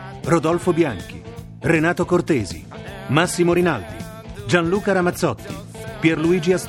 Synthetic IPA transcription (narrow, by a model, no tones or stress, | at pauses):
rod̪ɔlfobjaŋk̟ḭ | renaːt̪okort̪eːzḭ | masːimoɾinald̪ḭ | d͡ʒanluːkaɾamat̪sːɔt̪ːḭ | pjɛrluiːd͡ʒias